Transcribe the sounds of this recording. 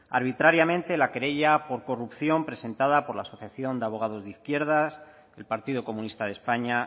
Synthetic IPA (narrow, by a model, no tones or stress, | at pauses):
a̰ɾβ̞it̪ɾaɾjamẽ̞nt̪e̞lakeɾe̞ʝapo̞ɾko̞rupθjo̞mpɾe̞se̞nt̪aðapo̞ɾlaːso̞θjaθjo̞nd̪eaβo̞ɣ̞að̞o̞zðiθkje̞ɾð̞as | elpaɾt̪iðoko̞mũnist̪að̞e̞spaɲa